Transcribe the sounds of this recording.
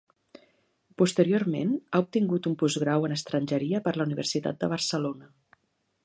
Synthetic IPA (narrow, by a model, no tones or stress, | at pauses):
pust̪əɾioɾmḛnaup̚t̪iŋɡut̪umpuzɣɾawənəst̪ɾənʲʒəɾiəpəɾləuniβ̞ə̰rsit̪a̰t̪̚d̪əβ̞ərsəlonə